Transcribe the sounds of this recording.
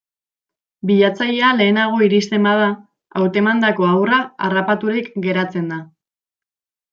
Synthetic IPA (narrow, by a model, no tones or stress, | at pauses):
biʎat͡saʎeale̞ːnaɣ̞o̞iɾist̪e̞mbað̞a | awt̪e̞mand̪ako̞awraarapat̪uɾikɡe̞ɾat͡se̞nd̪a